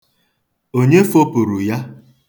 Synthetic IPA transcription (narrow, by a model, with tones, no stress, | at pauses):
o˦ɲe˦fo˦pʊ˨ɾu˨ja˦